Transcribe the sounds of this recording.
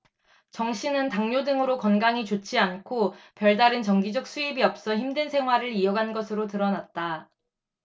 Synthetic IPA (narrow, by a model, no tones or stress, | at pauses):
t͡ɕʌŋɕʰinɯntaŋɲodɯŋɯɾokʌnɡaŋit͡ɕot͡ɕʰiankʰopjʌɭdaɾɯnt͡ɕʌŋɡid͡ʑʌk̚s͈ʰuibiʌp̚s͈ʌçimdwensʰe̞ŋɦwaɾɯɾiʌɡanɡʌsʰɯɾotɯɾʌnat̚t͈a